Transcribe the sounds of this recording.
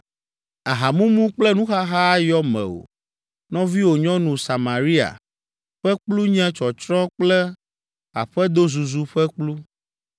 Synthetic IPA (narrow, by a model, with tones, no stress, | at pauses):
a˨ɦa˨mũ˦mũ˦k͡plɛ˦nũ˦xa˦ɦa˦jɔ˦mɛ̰̃˨o̰˨ | nɔ̃˦vi˦wo˨ɲɔ̃˦nũ˨sa˨ma˨ɾi˦a̰˨ | ɸɛ˦k͡plu˦ɲɛ̃˦t͡ʃɔ˨t͡ʃɾɔ̃˦k͡plɛ˦ | a̰˨ɸɛ˦d̪o˦zu˨zu˦ɸɛ˦k͡plu˦